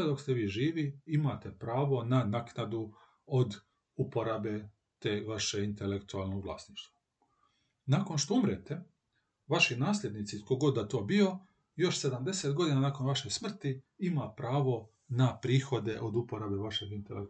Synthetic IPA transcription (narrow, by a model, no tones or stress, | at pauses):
ed̪o̞kst̪eʋiːʒiːʋiimat̪e̞pɾaːʋo̞nanaknad̪u | od̪ | upo̞ɾabe̞ | t̪eːʋaʃeint̪e̞lekt̪ualˠno̞ɡʋlˠa̰ːsniʃt̪ʋḁ | naːko̞nʃt̪oumɾet̪e̞ | ʋaʃinaːsʎʲe̞d̪nit̪sit̪ko̞ɡod̪ːat̪o̞ːbio̞ | jo̞ʃse̞d̪amd̪e̞se̞t̪ɡo̞d̪inanaːko̞nʋaʃe̞jsmr̩t̪iimapɾaːʋo̞ | napɾiːxo̞d̪e̞ʔod̪upoɾaːbe̞ʋaʃeɡint̪elḛk